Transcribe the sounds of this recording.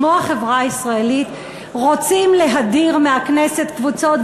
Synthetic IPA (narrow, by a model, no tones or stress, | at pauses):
oaχe̞vʁaisʁaelit̪ | ʁot͡simle̞ɦadiʁmeɦaknese̞t̪kvut͡so̞t̚